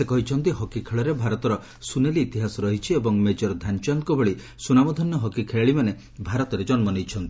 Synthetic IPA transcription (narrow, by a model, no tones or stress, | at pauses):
sekɔɦit͡ʃʰɔnt̪iɦɔkikʰeɭɔɾebʱaɾɔt̪ɔɾɔ | suneliːt̪iɦasɔɾɔɦit͡ʃʰiebɔŋmed͡ʒɔɾd̪ʱant͡ʃɔŋkɔbʱɔɭi | sunamɔd̪ʱɔnjɔɦɔkikʰeɭeɭimane | bʱaɾɔt̪ɔɾed͡ʒɔnmɔnejt͡ʃʰɔnt̪i